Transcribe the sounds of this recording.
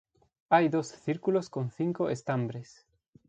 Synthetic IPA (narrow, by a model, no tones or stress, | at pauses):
ajðosθiɾkuloskonθiŋkoʔest̪ambɾes